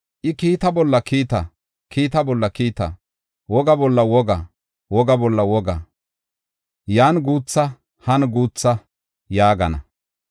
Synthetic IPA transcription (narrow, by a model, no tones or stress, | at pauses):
ʔɪkiːt̪ɐbɔlːɐkʰiːt̪ɐ | kʰiːt̪ɐbɔlːɐkiːt̪ɐ̰ | wɔɡɐbɔlːɐwɔɡɐ | wɔɡɐbɔlːɐwɔɡɐ̰ | jaːnɡuːt͡sːɐ | hɐnɡuːt͡sːɐ | jaːɡɐ̰nɐ̰